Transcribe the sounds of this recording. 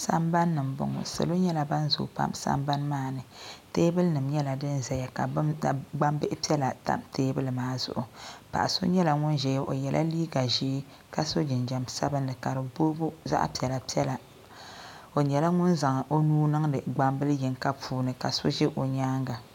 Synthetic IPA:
sa˦mba˦nːɨ˨m˨bʊ̰˨ŋʊ̰˨sɨ̰˨lo˦ɲɛ˦la˨ba˦nzʊ̰˨pa̰˦msa̰˦mba˦nmaː˦˨nɨ˨teː˦bɨ˦lnɨ˨mɲɛ˦la˨dɨ˦nzɛ˨ja˨ka˨bɡ͡ba˦mbɨ˦ʔɪ˦pi˦ɛ˦la˨ta̰˦˨mteː˦bɨ˦lɨ˨maː˦zʊ̰˨ʔʊ˨pa̰˨ʔa˨so̰˦ɲɛ˦la˨ŋʊ˦nʒɛ˨jʔo̰˨jɛ˨lʔa̰˦liː˦ɡa˨ʒiː˦ | ka˦so˦d͡ʒɪ˨nd͡ʒa˨msa˦bɨ˦nːɨ˨ka˨ɾɨ˨boː˦bu˦za̰˦ʔpi˨ɛ˨la˨pi˦ɛ˦la˨ | o˨ɲɛ˨la˦ŋʊ˦nza˨ŋ˨ʔo˦nuː˦nɨ˦ŋdɨ˨ɡ͡ba˦mbɨ˦lɨ˦jɪ˨ŋka˦pʰuː˦nɨ˨ka˨so̰˦ʒɪ˦ʔo˨ɲaː˦ŋɡa˨

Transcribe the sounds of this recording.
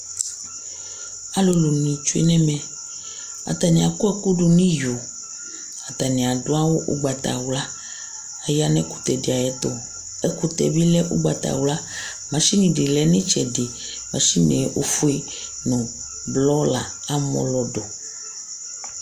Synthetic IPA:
a˦lo˨lo˨nĩ˨t͡ʃu˦ḛ˦nɛ̃˦mɛ̃˨ | a̰˨t̪a˨nĩ˨a˨ko˦ɛ˦ku˦ɖu˨nĩ˦jo˨ | a˨t̪a˨nĩ˨a˨do˦a˦wo˦ʔṵ˦ɡ͡ba˨t̪a̰˨wla˦ | a˨ja˦nɛ̃˦ku̥˨t̪ɛ˨di˨a˨jɛ˨t̪o˨ | ɛ˦ku˦t̪ɛ̰˨bi˦lɛ˦ʔu˦ɡ͡ba̰˨t̪a̰˨wla˦ | mã˨ʃi˦nĩ˨ɖi˨lɛ˦nɛ̃˦t͡ʃɛ˨de˨ | mã˨˦ʃi˦nḛ˨ʔo˦fu˦e˦ | nɔ̃˨ | blɔ˦la˨ | a˦mɔ̰̃˦lɔ˨ɖo˨

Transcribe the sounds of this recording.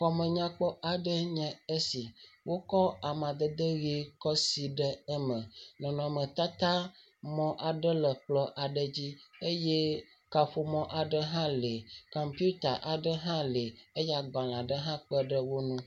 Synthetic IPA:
xɔ˨mə̃˨ɲã˦k͡pɔ˦a˨ɖə˦ɲɛ̃˨e˦si˨wʔo˦kɔ˦a˨mã˨d̪ə˨d̪ə˦ɣi˦kɔ˦si˨ɖɛ˦ɛ˦mɛ̃˨nɔ̃˨nɔ̃˨mə̃˨t̪a˦t̪a˦ | mɔ̃˦ʔa˨ɖə˦lə˨k͡plɔ˦ʔa˨ɖə˦d͡ʑi˦e˦jɛ˦ | ka˨ɸo˨mɔ̃˦ʔa˨ɖə˦ɦã˦le˨kɔ˨mpu˦t̪a̰˨ʔa˨ɖə˦ɦã˦le˨e˦ja˨ɡ͡bã˨la˨ɖə˦ɦã˦k͡pə˦ɖə˦wo˦nũ˦

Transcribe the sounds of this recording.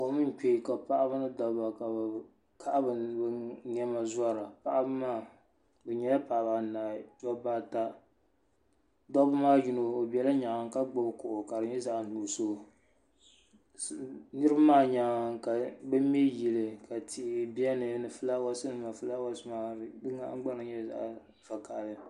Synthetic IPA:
o˨mɨ˦n˦ke˨ka˨pa˦ʔa˦ba˦nɨ˦dɔ˨ba˨ka˨ | kʰa˦ʔa˦bɨ˨bɨ˦ɲɛ˦ma˨za˦ɾa˨pa˦ʔa˦bɨ˦maː˦˨ | bɛ˨ɲɛ˨la˦pa˨ba˨naː˨t͡ʃɔ˦baː˦˨ta˦ | dɔ˦bɨ˦maː˦d͡ʒi˦no˨o˨bɛ˨la˦ɲa˨ŋa˨ŋ˨ka˦ɡ͡bo˦bkʊ˨ʔʊ˨ka˨dɨ˨ɲɛ˦za˦˨ʔn̩˨du˨so˦˨ | nɨ˦ɾa˦maː˦˨ɲa˨ŋ˨ka˨bɛ˦mɛ˦ji˨lɨ˨ka˨tʰi˦˨bi˦ɛ˦nɨ˨˦nɨ˨fɨ˦la˦wa˦sɨ˦nɨ˨ma˨fɨ˦la˦wa˦sɨ˦maː˨dɨ˦ŋa̰˦ʔɡ͡ba˦nɨ˨ɲɛ˦za̰˦˨ʔ | fa˨ka˨ʔlɨ˨

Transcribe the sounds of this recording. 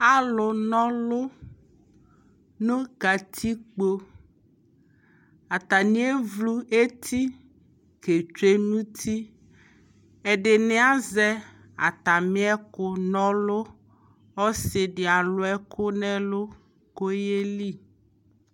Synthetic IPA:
a˦lʊ˨nɔ̃˦lo˦ | nõ˦ɡa˨t̪ʰi˦k͡po˦ | a˨t̪a˨nĩ˦e˦vlu˦e˦t̪ʰi˦ | ke˨t͡ʃe˦nũ˦t̪ʰi˦ | e˨ɖe˨ne˦a˦zɛ˦ | a̰˨t̪a˨mĩ˦ɛ˦kʊ˦nɔ̃˦lo˦ | ɔ˦se˨ɖe˨a˨lo˦ɛ˦kʰo˦nɛ̃˦lo˦ | ko˦je˦li˦˨

